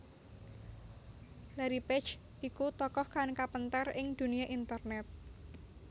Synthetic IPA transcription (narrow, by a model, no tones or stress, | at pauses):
laɾipɛt͡ʃ | ʔikut̪ɔkɔhkankapənt̪arɪŋd̪̥ṳniaʔint̪ərnɛt̪̚